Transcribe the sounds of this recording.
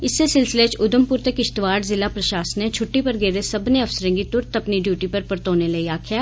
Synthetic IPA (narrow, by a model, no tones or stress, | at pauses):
ɪsːesɪlsɪleːt͡ʃʊd̪əmpʊɾt̪ekɪʃt̪ʋaːɾzɪlapɾɐʃaːsənẽt͡ʃʰʊʈːipɐɾɡeːɾesɐbneɐʋsəɾẽːŋɡit̪ʊɾt̪ɐpniɖjuːʈipɐɾpəɾt̪oːneleiaːkʰjaː